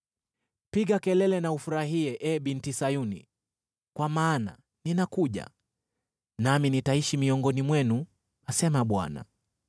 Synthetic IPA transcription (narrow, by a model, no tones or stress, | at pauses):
piɠakɛlɛlɛnaufuɾaɦiɛʔɛɓintisajunḭ | kwamaːna̰ | ninakuʄa̰ | naminitaiʃimiɔŋɡɔnimwɛnu | asɛmaɓwa̰na̰